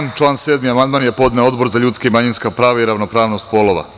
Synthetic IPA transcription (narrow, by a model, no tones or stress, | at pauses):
nt͡ʃlˠaːnseːd̪miamand̪maːnjepo̞d̪neo̞d̪bo̞ɾzaʎuːt̪skaimaɲinskapɾaːʋaiɾaʋnopɾaːʋno̞st̪polˠoʋa̰